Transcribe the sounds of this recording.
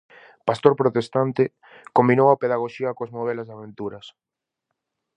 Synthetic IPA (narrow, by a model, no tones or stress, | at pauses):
past̪oɾpɾot̪est̪ant̪ɪ | kombinowɐpeðaɣ̞oʃiɐkoaznoβɛlɐzðaβ̞ent̪uɾɐs